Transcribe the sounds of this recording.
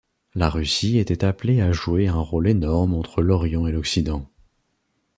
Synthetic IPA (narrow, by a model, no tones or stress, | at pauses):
laʁysiet̪ɛt̪apleaʒueɛ̃ʁolenɔʁmɑ̃t̪χəlɔʁjɑ̃elɔksid̪ɑ̃